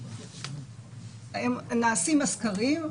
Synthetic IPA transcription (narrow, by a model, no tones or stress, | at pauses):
emnaːsimaskaʁim